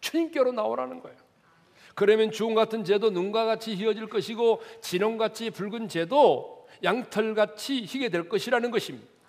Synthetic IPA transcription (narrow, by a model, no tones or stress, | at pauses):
t͡ɕʰuɲink͈joɾonaoɾa̰nɯnɡʌejo | kɯɾʌmjʌnt͡ɕuoŋɡatʰɯnt͡ɕe̞donuŋɡaɡat͡ɕʰiɦiʌd͡ʑiɭk͈ʌɕʰiɡot͡ɕinʌŋɡat͡ɕʰipuɭɡɯnt͡ɕe̞do | jaŋtʰʌɭɡat͡ɕʰiçiɡe̞dwe̞ɭk͈ʌɕʰiɾanɯnɡʌɕʰimɲid̥ḁ